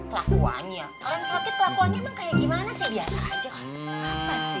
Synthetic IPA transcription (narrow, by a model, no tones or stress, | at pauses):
t̪lakua̰ɲa | aansakɪt̪̚lakoaɲamahkajaʔɡimanasiabiasa̰ad͡ʒaka | ap̪as